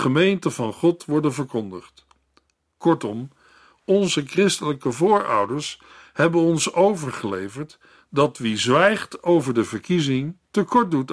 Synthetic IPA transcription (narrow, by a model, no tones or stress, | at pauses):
χəmejntəvɑnχɔtʋɔɹdənvəɹkɔndəχt | kɔɹtɔm | ɔnzəkrɪstələkəvʊːɹʌ̰wdəɹs | hɛbənɔnsowvəɹχəlejvəɹt | dɑtʋizʋɛjχtowvəɹdəvəɹkizɪŋtəkɔɹ̚dut